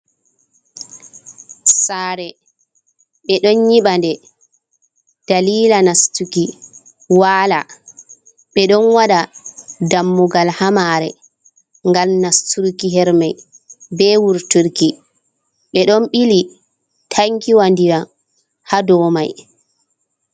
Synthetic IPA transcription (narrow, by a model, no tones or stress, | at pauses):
saːɾɛ | ɓɛɗɔnɲiɓandɛ | d̥aliːlanastuki | waːla̰ | ɓɛɗɔnwaɗadamːuɡalhamaːɾɛ̰ | ŋɡalnastuɾkiɦɛɾmaj | bɛwuɾtuɾki | ɓɛɗɔnɓili | tʰaŋkiwandiɾa | hadɔːmaj